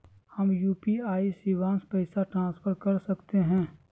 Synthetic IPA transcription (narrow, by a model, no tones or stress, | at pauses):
hɐmjuːpiaːisiːʋãːnspəɪsaʈɾãːsfʰəɾkɐɾsɐkt̪eɦɛ̃ː